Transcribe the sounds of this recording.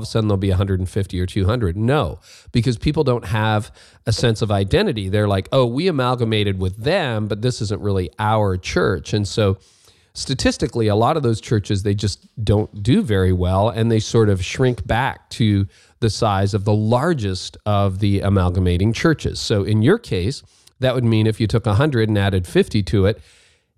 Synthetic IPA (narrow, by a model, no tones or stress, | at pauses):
v̥sɛ̃nðəlˠbiɨɦʌ̃ndɹɨɾn̩fɪftiə˞tʰʉɦʌ̃ndɹɨdⁿnoʊ | b̥ɨkʰʌz̥pʰipl̩ˠdõʊ̃nt̚ɦəv | ɨsɛ̃nsʌvaɪdɛ̃ɾ̃ɨɾiðə˞laɪkoʊwiɨmælˠɡəmeɪɾɨd̚wɪðɨ̃mbʌt̪̚ðɪsɪzə̃nʔɹɪlˠiʔaʊə˞t͡ʃʰɜ̰˞t͡ʃɨ̃nsoʊ | stɨtʰɪstɨkliəlɔɾʌvðoʊz̥t͡ʃʰɜ˞t͡ʃɨzðeɪd͡ʒʌs | d̥õʊ̃nd̥ɨvɛɹiwɛlˠɨ̃nðeɪsɔɹɾʌv̥ʃɹɪ̃ŋkb̥æk̚tʰɨ | ðɨsaɪzʌvðəlɑɹd͡ʒɨstʌvðiɨ̰mælˠɡəmeɪɾɪ̃ŋt͡ʃʰɜ˞t͡ʃɨ̰z̥soʊʔɪ̃njə˞kʰeɪs | ðɨʔ̚wɨd̚mĩnɨfjɨtʰʊkəɦʌ̃ndɹɨɾnæɾɨd̥fɪftiɾɨɪt̚